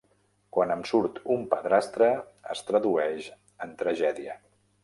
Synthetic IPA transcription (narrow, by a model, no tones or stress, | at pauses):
kwanəmsuɾt̪umpəðɾast̪ɾəə̰st̪ɾəðuɛʃ | ənt̪ɾəʒɛðiə